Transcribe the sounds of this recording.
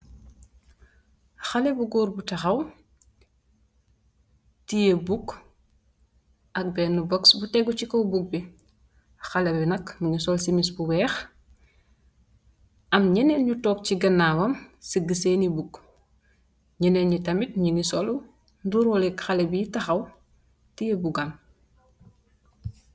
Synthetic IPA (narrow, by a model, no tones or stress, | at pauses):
xɐlɛbuɡɔːɾbutɐxɐw | tijebuk | ʔɐk̚bɛnːubɔksbutɛɡucikɐwbuk̚bi | xɐlɛbinɐkmɐɲusɔlsimisbuwɛːx | ɐmɲɛnɛnɲutɔːk̚ciɡɐnːaːwɐmsəɡəsenibuk | ɲinɛnɲitɐmit̚ɲinisɔl | duɾɔlɛkxɐlebitɐxɐw | tijebuɡam